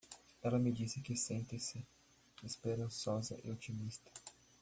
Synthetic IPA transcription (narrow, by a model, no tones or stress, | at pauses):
ɛlɐmɪd͡ʒisɪkɪsẽnt̪ɪsɪ | espeɾɐ̃sɔzɐ̰ʔɪ̰ot͡ʃimist̪ɐ̥